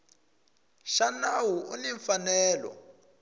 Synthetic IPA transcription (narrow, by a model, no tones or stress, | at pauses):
ʃanawuʔuniɱfanɛːlɔ̰